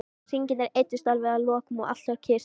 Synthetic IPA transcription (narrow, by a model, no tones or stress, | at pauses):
siɲcɪnɛɾejt̪ːʏst̪alvɛɣalɔːkʏmɔɣʔa̰t̪saɾcʰɪːs